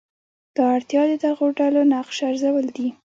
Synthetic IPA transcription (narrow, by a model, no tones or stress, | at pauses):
d̪̥ɑaɽt̪jɑd̪əd̪aɣoɖalonaqʃaɾzawəld̪i